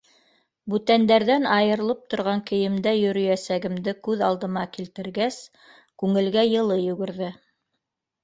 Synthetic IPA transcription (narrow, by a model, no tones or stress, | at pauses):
bʉt̪ænd̪æɾðænɑjɤ̆ɾ̆lˠɤp̚t̪ŏɾʁɑŋkɘ̆jɘ̆md̪æjɵ̆ɾɵ̆jæsæɡɘ̆md̪ɘkʉðɑlˠd̪ɤ̆mɑkilt̪ɘ̆ɾɡæs | kʉŋɘ̆lɡæjɤ̆lˠɤjʉ̆ɡɘ̆ɾðɘ